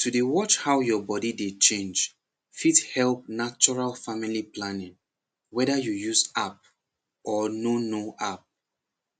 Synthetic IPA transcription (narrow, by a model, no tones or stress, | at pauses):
tʰudewɔt͡ʃhawjɔbɔdidet͡ʃẽnd͡ʒ | fidhɛlˠp̚nat͡ʃɔɹalfamiliplãnɪ̃ŋ | wɛdajujusap̚ | ɔnonoʔap̚